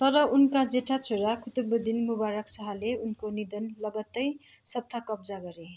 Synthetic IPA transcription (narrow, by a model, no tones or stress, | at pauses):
t̪ʌɾʌunkad͡zeʈʰat͡sʰoɾakʰut̪ubud̪inmubaɾʌksʌɦʌleunkonid̪ʌnlʌɡʌt̪ːʌj | sʌt̪ʰːakʌbd͡zaɡʌɾe